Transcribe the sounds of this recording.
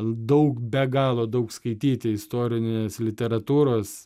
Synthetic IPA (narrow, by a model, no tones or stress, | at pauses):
d̪ɐʊkbʲɛɡɑːlˠoːd̪ɐʊkskɐɪt̪ʲiːt̪ʲɪɪst̪oːɾʲɪnʲeːslʲɪt̪ʲɛɾɐt̪uːɾoːs